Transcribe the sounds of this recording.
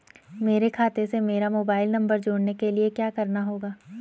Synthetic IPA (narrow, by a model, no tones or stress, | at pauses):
meːɾekʰaːt̪esemeːɾamoːbaːɪlnɐ̃mbəɾd͡ʒoːɽnekeliekjaːkɐɾnaɦoːɡaː